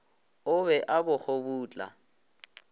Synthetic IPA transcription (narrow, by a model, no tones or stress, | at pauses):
ʊbɛʔabʊk͡xʰobuːt͡ɬʼa̰